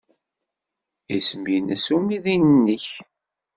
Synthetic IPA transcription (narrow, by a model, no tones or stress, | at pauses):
isəmjinəsumiðinənːəç